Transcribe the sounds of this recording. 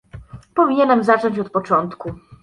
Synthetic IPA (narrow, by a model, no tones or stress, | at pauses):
pɔvʲiɲɛnɛmzat͡ʂɔɲt͡ɕɔt̪pɔt͡ʂɔnt̪ku